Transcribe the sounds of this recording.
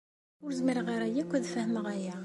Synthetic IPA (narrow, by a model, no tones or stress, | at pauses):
ʊɾzmiɾʁiɾæjækʷːæðfæhməʁæjæ